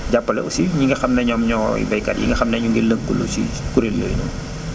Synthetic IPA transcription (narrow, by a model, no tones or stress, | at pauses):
ɟapːɐlɛ̰ʔusiɲiŋɡɐxɐmnɐɲɔmɲɔjḭbɐjkɐtjḭŋɡɐxɐmnɐɲuŋɡiləŋkːulṵsḭ | kuɾeljo̰ːjnṵm